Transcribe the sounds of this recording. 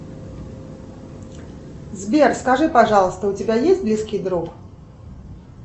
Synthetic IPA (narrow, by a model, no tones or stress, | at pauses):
zʲbʲɛrskaʐɨpaʐalˠst̪ɐut͡sʲabʲajesʲtʲblʲiskʲid̪ɾuk